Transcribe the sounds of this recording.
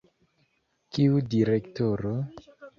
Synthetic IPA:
kiudiɾektoɾo

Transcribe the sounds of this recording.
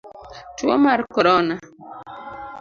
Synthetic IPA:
tuɔ̰maɾkɔɾɔna

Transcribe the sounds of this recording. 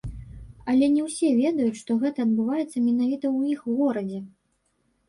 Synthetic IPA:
ɐlʲɛnʲɛwsʲɛvʲɛd̪ɐjut͡sʲʂt̪ɔɣɛt̪ɐːd̪̚bɨvajɛt̪sːɐmʲɛnavʲit̪ɐwixɣɔɾɐd͡zʲɛ

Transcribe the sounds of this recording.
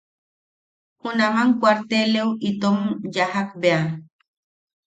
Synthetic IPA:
hunamaŋkʷwaɾt̪eleuʔit̪omjahak̚bea

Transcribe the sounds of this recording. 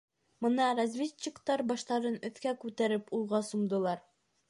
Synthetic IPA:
mɤ̆nɑɾazvʲet͡ɕːɪkt̪ɑɾbɒʃt̪ɑɾɤnɵ̆θkækʉt̪æɾɘpulˠʁɑsumd̪ɤ̆lˠɑɾ

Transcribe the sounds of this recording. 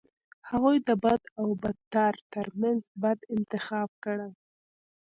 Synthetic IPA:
haɣujd̪əbad̪awbad̪̚t̪ɑɾt̪əɾmanzbad̪ɪnt̪ɪxɑb̚kəɽaj

